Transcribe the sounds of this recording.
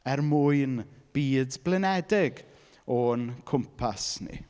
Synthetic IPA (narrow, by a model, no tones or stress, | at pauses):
ɛrmʊɨnb̥iːdblɛnɛdɪɡ | ɔnkʰʊmpʰasnḭ